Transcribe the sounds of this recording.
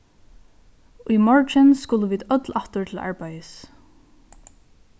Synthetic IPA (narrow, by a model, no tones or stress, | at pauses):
ʊjmɔɹt͡ʃɪnskʊləʋiːd̪œt̪laht̪ʊɹt̪ʰɪla̰ɹpajəs